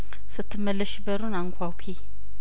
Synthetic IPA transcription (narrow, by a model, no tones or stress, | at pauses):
sɨt̪ʰːɨmːəlːəʃbəɾunaŋkʷʰawkʰi